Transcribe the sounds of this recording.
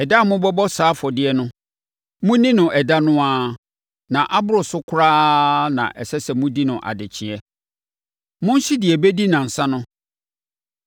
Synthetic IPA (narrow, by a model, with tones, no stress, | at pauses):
ɛ˨da˦˨mʊ̃˦bɔ˦bɔ˦saː˨˦fɔ˨dɪ˦ɛ˦nʊ̃˦ | mʊ̃˦nĩ˦nʊ̃˨ʔɛ˨da˦nʊ̃˦aː˦ | nã˨ʔa˦bʊ˦ɾʊ˨sʊ˦kʰʊ˦ɾaː˦nã̰˨ʔɛ̰˨sɛ˦sɛ˨mũ˦di˦nʊ̃˨ʔa̰˨dɪ˨t͡ɕʰɪ˨ɛ˦ | mʊ̃˦n̩˦ɕi˦dɪ˨ɛ˨be˦di˦nã˨n̩˨sã˦nʊ̃˦